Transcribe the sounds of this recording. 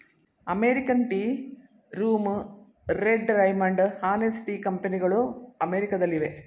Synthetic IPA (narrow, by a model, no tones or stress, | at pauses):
ɐmeːɾikɐnʈi | ɾuːm | ɾeɖɾɐjmɐɳɖhaːnesʈikɐmpeniɡɐɭuɐmeːɾikɐd̪ɐlːiʋe̞